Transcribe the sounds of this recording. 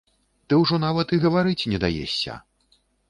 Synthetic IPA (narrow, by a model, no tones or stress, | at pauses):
t̪ɨwʐɔnavɐt̪iɣɐvaɾɨt͡sʲnʲɛd̪a̰jḛsʲːɐ̰